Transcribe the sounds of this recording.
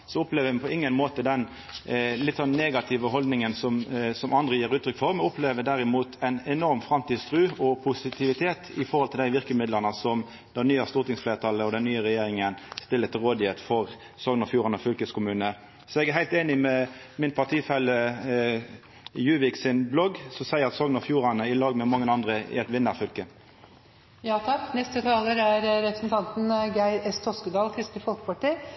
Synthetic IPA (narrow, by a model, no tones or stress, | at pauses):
sɔʊpleːʋəpʰɔɪŋːənmoːt̪əd̪ɛn | lɪt̪ːsɔnneːɡɑt̪ʰɪʋəɦɔld̪nɪŋənsɔmsɔmʔɑnd̪ʁəjiːɾʉːt̪ʰɾʏkfɔɾmɛʊpleːʋəd̪æɾɪmuːt̪ʰæɪnɛnɔʁmfɾɑmt̪iːd̪st̪ʰʁʉːɔpʰʊsɪt̪ʰɪʋɪt̪ʰeːt̪ɪfɔɾhɔlt̪ʰɪld̪æɪʋɪʁkəmɪd̪ləʁnəsɔm | d̪ɛnnyːɑst̪uːt̪ɪŋsfleːʁt̪ʰɑlːəɔd̪ɛnnyːəʁɛjeːɾɪŋənst̪ɪlːət̪ʰɪlʁoːd̪ɪheːt̪fɔʁ | sɔŋnəfjuːʁɑnəfʏlkəskʰʊmʉːnə | sɔɛɡæɦæɪlt̪eːnɪmɛ | mɪnpʰɑʈ̪ʰiːfɛlːə | jʉːʋɪksɪnblɔɡsɔmsæɪəʁɑt̪sɔŋnəfjuːɾɑnəɪlɑːɡmɛmɑŋːənɑnd̪ʁəɪ̰ɛt̪ʋɪnːəʁfʏlkə | jɑːt̪ʰɑkːnɛst̪ət̪ʰɑːləɾæɾɾɛpɾəsnt̪ʰɑnt̪n̩ɡæɪɛst̪ʰɔskəd̪ɑːlkʰɾɪst̪əfɔlkəpʰɑʈi